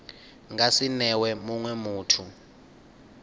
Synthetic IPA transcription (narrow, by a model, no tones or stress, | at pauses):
ŋasinɛwɛmuŋwɛmuːtʰu